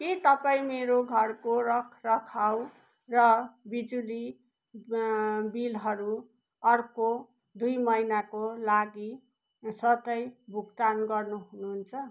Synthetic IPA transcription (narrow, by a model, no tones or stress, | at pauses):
ket̪ʌpaĩmeɾoɡʱʌrkoɾʌkʰrʌkʰaw | rʌbid͡zuli | bilɦʌɾu | ʌrko | d̪ujmʌjnakolaɡi | sʌt̪ʌjbʱukt̪anɡʌrnuɦunuɦnt͡sʰʌ